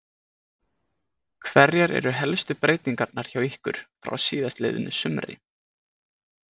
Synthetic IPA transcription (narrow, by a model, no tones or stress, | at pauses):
kʰvɛɾjɛɾɛ̰ɾʏɦɛlst̪ʏpɾeːjt̪iŋkapnaɾ̥çawihkʏ̰ɾ̥fɾa̰wsiːðast̪lḛjðʏnːʏsʏmɾɪ̰